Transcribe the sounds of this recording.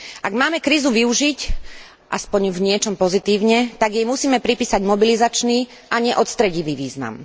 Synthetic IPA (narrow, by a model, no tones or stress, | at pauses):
ʔaɡmaːmɛkɾiːzuʋiuʒic | ʔaspɔɲvɲɪɛt͡ʃɔmpɔzit̪iːʊɲɛt̪aɡjɛmusiːmɛpɾipiːsaɟmɔbilizat͡ʃniː | ʔaɲɛʔɔt̪st̪ɾɛɟiʋiːʋiːzna̰m